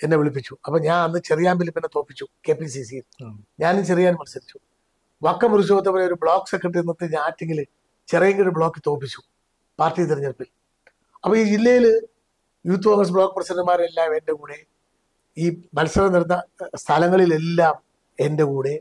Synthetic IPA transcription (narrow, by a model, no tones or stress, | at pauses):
enːe̞ʋiɭipːit͡ɕːuɐpːoːɲaːnɐnːɨt͡ɕerijaːmbilipːinːet̪o̞ːpːit͡ɕːuke̞ːpːisisijilɲaːnit͡ɕerijaːnmɐnusɐɾit͡ɕːu̥ | ʋɐkːɐpuɾuɕ̬oːɐt̪̬ːepoːjeo̞ɾubɭo̞ːkːsekːriʈ̬ːiɾunːɐt̪ːɨɲaːtːeŋɡil | t͡ɕerɐjeŋɡiloɾubɭo̞ːkːɨt̪o̞ːpːit͡ɕːu | paːrtːijt̪iriɲːɐrpil | ɐpːoːiːd͡ʑilːɐjilɨ | juːt̪ːukoːŋrɐs̬bɭo̞ːkːɨprɐsɐndɨmaːrelːaːme̞nde̞kuːɽe̞ | iːmɐlsɐɾɐniɽnːɐst̪ʰɐlɐŋːɐɭile̞lːaːm | e̞nde̞kuːɽe̞